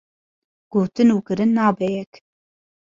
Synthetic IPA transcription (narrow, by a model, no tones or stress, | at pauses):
ɡ̥oːt̪ɨnuːkɨɾɨnːɑːbɛjɛk